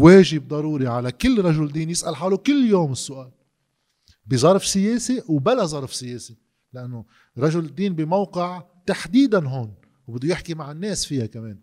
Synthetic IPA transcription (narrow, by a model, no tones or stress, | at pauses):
weːʒɪb̚d̪ˤɑɾuːɾiʕalakɪlːɾˤɑʒʊld̪iːnjɪsʔalħaːlukɪlːjoːmɪsːʊʔaːl | bizˤɑɾˤfsɪjeːsiwbalazˤɑɾˤfsɪjeːsi | lɪʔanːo | ɾˤɑʒʊlɪd̪ːiːnbimawqɪʕ | t̪aħd̪iːd̪anɦoːn | wbɪd̪ːʊjɪħkimaʕɪnːeːsfɪjakameːn